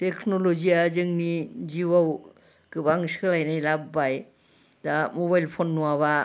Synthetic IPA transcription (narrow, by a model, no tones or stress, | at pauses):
tekʰnoloziazɯŋniziwaw | kɯbaŋskʰɯlajnajlabːaj | damoβajlpʰonːuwaβa